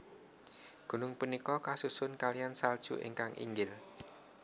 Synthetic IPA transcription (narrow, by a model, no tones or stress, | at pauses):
ɡ̥ṳnʊŋpunikɔkasusʊnkalijansald̥ʒ̥ṵʔḛŋkaŋʔḭŋɡɪl